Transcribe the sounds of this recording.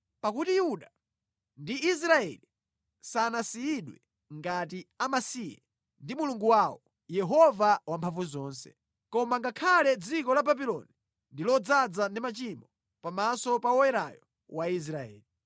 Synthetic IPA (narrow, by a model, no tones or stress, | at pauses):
pakutijuɗa | ndiːs̬ɾaɛ̰li | sanasiiɗwɛ | ŋɡatiamasija̰ | ndimuluŋɡuwawɔ | jɛɦɔvawampʰaɱvuzɔːnsɛ̥̰ | kɔmaŋɡakʰalɛd͡zikɔlababilɔ̰ni | ndilɔd͡zad͡zandimat͡ʃimɔ | pamasɔpawɔɛɾajɔ | wais̬ɾaɛ̰ːli